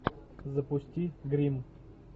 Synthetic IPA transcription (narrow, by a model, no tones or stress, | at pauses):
zɐpʊsʲtʲiɡɾʲim